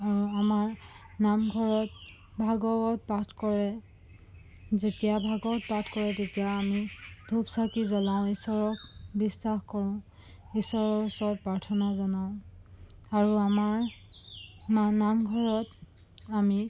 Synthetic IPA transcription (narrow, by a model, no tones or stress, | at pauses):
aɹuamaɹ | namɡʱɔɹɔt̚ | bʱaɡɔɔt̚patʰkɔɹɛ | zetijabʱaɡɔt̚patʰkɔɹɛtetijaamidʱubsakizɔlaʊ̃isɔɹɔkbisːaxkɔɹʊ̃ | isɔɹɔsɔt̚pɹaɹtʰɔnazɔnaʊ̃ | aɹuamaɹ | manamɡʱɔɹɔt | ami